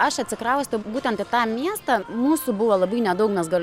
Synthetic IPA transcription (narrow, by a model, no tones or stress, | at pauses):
ɐʃɐt̪ʲsʲɪkɾɐʊsʲt̪ʊbuːt̪ʲɛnt̪ɪt̪ɑːmʲiɛst̪ɑmuːsʊbʊʋoːlˠɐbɐɪnʲɛd̪ɐʊkmʲɛsɡɐlʲ